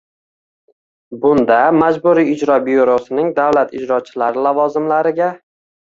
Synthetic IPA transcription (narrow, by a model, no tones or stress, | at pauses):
bʊnd̪amad͡ʒbʊɾiɪd͡ʒɾɒbijuɾosɪnɪŋd̪avlat̪ɪd͡ʒɾɒt͡ʃʰɪ̥laɾɪlavɒzɪmlaɾɪɡʲa